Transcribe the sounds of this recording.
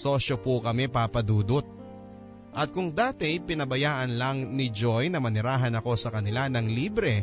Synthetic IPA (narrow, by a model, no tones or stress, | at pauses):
so̞ːʃopʊkɐmɛpapɐd̪uːd̪ot̪̚ | ʔɐt̪̚kʊŋd̪aːt̪ɪpɪnɐbɐjaːʔɐnlɐŋnɪd͡ʒo̞jnɐmɐnɪɾaːɦɐnɐko̞sɐkɐnɪlanɐŋliːbɾɛ